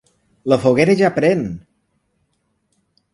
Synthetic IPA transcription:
ləfoɣeɾəʒapɾɛn

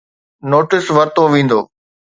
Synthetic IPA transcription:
noːʈɪsʋɐɾt̪oʋẽːn̆d̪o̰ː

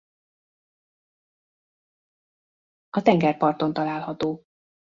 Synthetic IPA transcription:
ɒt̪ɛŋɡɛrpɒrt̪o̞n̪t̪ɒlaːlhɒt̪oː

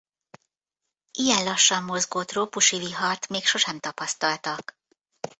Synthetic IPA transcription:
ʔijɛnlɒʃːɒmːo̞zɡoːt̪roːpuʃiviɦɒrt̪meːkʃo̞ʃɛmt̪ɒpɒst̪ɒlt̪ɒk

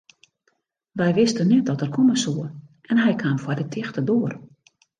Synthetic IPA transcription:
ʋɛjʋɪstənɛt̚dɔtɛrkʰoməsuənʔɛnɦɛjkʰaːmfwɔdətʰɪxtədoːər

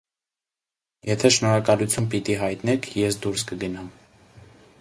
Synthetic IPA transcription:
jɛt̪ʰɛʃnɔɾɑkɑlut͡sʰjunpit̪iɦɑjt̪nɛkʰjɛsd̪uɾskəɡənɑm

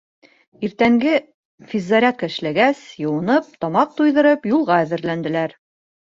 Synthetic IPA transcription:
iɾt̪æŋɡɘ | fizːɑɾʲækɘ̆ʃlæɡæsjɤ̆wɤ̆nɤp̚t̪ɒmɑq̚t̪ujðɤ̆ɾɤpjulˠʁɑæðɘ̆ɾlænd̪ɘ̆læɾ

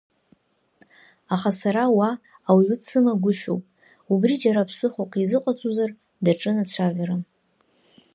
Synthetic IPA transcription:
aχasaɾawaː | wɥut͡sʰɨmaɡʷʊʃowpʼ | ubrid͡ʒaɾapʰsɨχʷakʷʼizɨqʷʼat͡sʼuzar | daʈ͡ʂʼɨnat͡ɕʷʰaʕʲʷaɾɨ

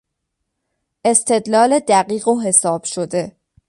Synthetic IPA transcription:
ʔe̞st̪ʰe̞d̪lɒːle̞d̪æɢiːɣoɦe̞sɒːb̥ʃod̪e̞

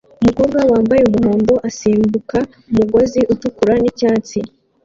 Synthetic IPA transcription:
umuko̞ːb̚ɡawaːmbajeumuɦo̞ːndo̞ʔasiːmbuka | umuɡo̞ziʔutukuɾanicaːt͡si

